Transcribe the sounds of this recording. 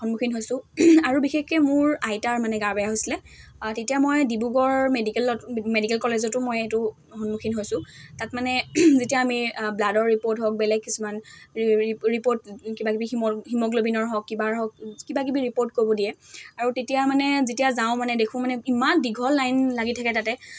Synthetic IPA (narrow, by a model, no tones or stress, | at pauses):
hɔnmukʰinɦojsʊ̃aɹubixekɛmʊɹajtaɹmanɛɡaɹbajaɦojsilɛ | tetijamojdibuɡɔɹmedikɛlɔmedikɛlkɔlezɔtʊmojetʊ | xɔnmukʰinɦojsʊ̃tatmanɛzetijaːmibladɔɹːipoɹtɦɔk̚bɛlɛɡ̚kisuman | ɹipoɹtkibakibiɦimɔɦimɔɡlobinɔɹɦɔkːibaɹɦɔk̚kibak̬ibiɹipoɹt̚kobɔdijɛaɹutetijamanɛzetijazaʊ̃manɛdekʰʊ̃manɛimandiɡʱɔlːajnlaɡitʰakɛtatɛ